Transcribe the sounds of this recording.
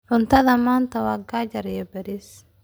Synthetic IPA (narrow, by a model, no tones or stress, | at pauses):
ʕʊnt̪ʰɐðɐmaːnt̪ʰɐwaːɡaːd͡ʒɐɾjɛbɛɾis